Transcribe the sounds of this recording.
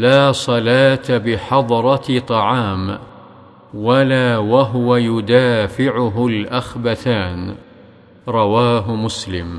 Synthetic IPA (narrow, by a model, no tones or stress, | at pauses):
laːsˤɑlaːt̪abɪħɑd̪ˤɾˤɑt̪ˤɑʕɑːm | walaːwaɦʊwajʊd̪aːfɪʕʊɦʊlʔaxbaθaːn | ɾˤɑwaːɦmʊslɪm